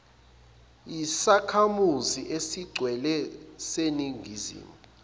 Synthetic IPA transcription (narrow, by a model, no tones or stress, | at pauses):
isakʰamuziʔesiɡ͡ǀʱwɛlɛseniŋʱizḭːmu